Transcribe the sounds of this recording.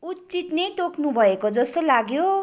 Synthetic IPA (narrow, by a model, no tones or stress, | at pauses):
ut̪t͡sit̪nejt̪oknubʱʌekod͡zʌst̪olaɡjo